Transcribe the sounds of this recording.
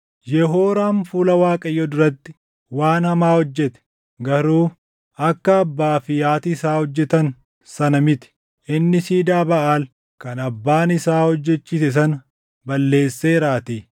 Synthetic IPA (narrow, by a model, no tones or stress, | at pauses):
jɛɦo̞ːɾaːnfuːlɐwaːkʼɐjɔd̪ʊɾɐt̪ːɪ̥ | waːnhɐmaːhɔd͡ʒːɛt̪ɛ̥ | ɡɐɾuː | ɐkːɐːbːaːfɪjaːt̪ːsaːhɔd͡ʒːɛt̪ɐn | sɐnɐmɪt̪ɪ̥ | ʔɪnːɪsiːd̪aːbɐʔaːl | kɐnɐbːaːnɪsaːhɔd͡ʒːɛt͡ʃːɪːsɛs̬ɐn | bɐlːe̞ːsːeːɾaːt̪i